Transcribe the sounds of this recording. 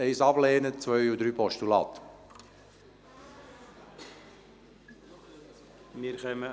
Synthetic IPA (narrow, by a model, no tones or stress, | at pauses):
eɪsɑbleːnət͡svœʏudɾyːpɔʃtulɑ̰ːt̪ | miɾχɛmə